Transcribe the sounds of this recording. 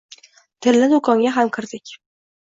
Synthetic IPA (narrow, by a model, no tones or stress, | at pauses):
t̪ʰɪlːɪd̪ʊkʰɒŋɡʲaɦamkʲʰɪɾd̪ɪkʲ